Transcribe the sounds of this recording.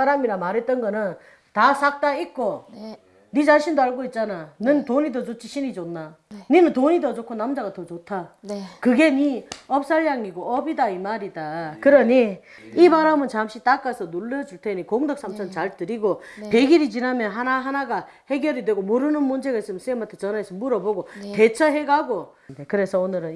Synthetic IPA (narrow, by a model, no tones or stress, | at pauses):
aɾamiɾamaɾɦet͈̚ʌnɡʌnɯn | tasʰak̚t͈aik̚k͈o | nid͡ʑaɕʰindoaɭɡoit̚t͡ɕ͈ananɯntoɲidʌd͡ʑot͡ɕʰiɕʰinid͡ʑonːaninɯntoɲidʌd͡ʑokʰonamd͡ʑaɡatʰʌt͡ɕotʰakɯɡe̞niʌp̚s͈aɭːaŋiɡoʌbidaimaɾidakɯɾʌni | ibaɾamɯnt͡ɕamɕ͈it͈ak͈asʰʌnuɭːʌd͡ʑuɭtʰe̞nikoŋdʌk̚s͈amt͡ɕʰʌnt͡ɕaɭtɯɾiɡope̞ɡiɾit͡ɕinamjʌnɦanaɦanaɡa | he̞ɡjʌɾidwe̞ɡomoɾɯnɯnmund͡ʑe̞ɡais͈ɯmjʌnsɯemantʰet͡ɕʌnaesʰʌmuɾʌboɡote̞t͡ɕʰʌɦe̞ɡaɡo | dekɯɾe̞sʰʌonɯɾɯn